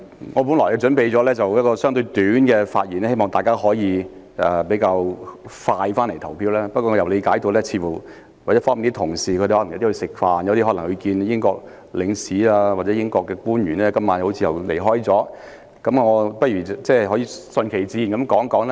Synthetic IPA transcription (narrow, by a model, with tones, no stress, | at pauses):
ŋɔː˨˧p̬u˨˥nlɔː˨˩jɛ˨˧t͡ʃɵ˨˥npe˨˧jt͡sɔː˨˥lɛː˥t͡sɐ˨wjɐ˥t̚kɔː˧sœː˥ŋt̪̬ɵ˧ɥt̪yː˨˥nkɛː˧faː˧t̚ji˨nɛ˥he˥jmɔː˨ŋt̪aː˨jkaː˥ɦɔː˨˥jiː˧ | ʔɛ˨pe˨˥kaː˧wfaː˧jfaː˥nle˨˩jt̪ʰɐ˨˩wpʰiː˧˥wlɛː˥pɐ˥t̚kɔː˧˨˧jɐ˨˩wle˨˧kaː˨˥jt̪o˧wlɛː˥t͡sʰiː˧fuː˨˩ | wa˨jfɔː˥mi˨nt̪i˥t̪ʰʊ˨˩ŋsiː˨˩kʰde˨˩hɔ˨˥ljwt̪i˥hɵ˧sɪ˨k̚faː˧njɐ˨˧wt̪i˥ɦɔ˨˥lŋhɵ˨˧kiː˧njɪ˥ŋkɔ̰ː˧k̚ | lɪ˨˥ŋsiː˨˥aː˧waː˨˩t͡sɛː˨˦jɪ˥ŋkɔː˧kːɛː˧kuː˥njyː˨˩nɛː˥kɐ˥mːaː˨˧˥nho˨˥wt͡sʰiː˧jɐ˨˩wle˨˩jɦɔː˥jt͡sɔː˨˥ | kɐ˨˦˥mŋɔː˨˧pɐ˥t̚ɥyː˨˩t͡sɛː˥˩ɦɔː˨˥jiː˧sɵ˧nkʰe˨˩jt͡siː˧˨nkɐ˨˦mkɔː˨˥ŋkɔː˨˥ŋlɛ˥